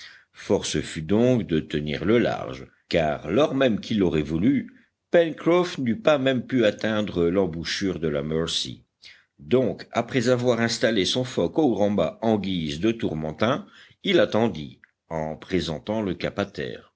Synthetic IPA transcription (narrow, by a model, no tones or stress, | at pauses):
fɔʁsəfyd̪ɔ̃kd̪ət̪ənḭʁləla̰ʁʒ | ka̰ʁlɔʁmɛmkʰilɔʁɛvuly | pɛnkχɔfnypamɛmpyat̪ɛ̃d̪ʁəlɑ̃buʃyʁd̪əla̰mœʁsḭ | d̪ɔ̃kapχɛzavwaʁɛ̃st̪alesɔ̃fɔkoɡʁɑ̃baɑ̃ɡʲizd̪ət̪uʁmɑ̃t̪ɛ̃ | ilat̪ɑ̃d̪i | ɑ̃pχezɑ̃t̪ɑ̃ləkapat̪ɛ̰ːʁ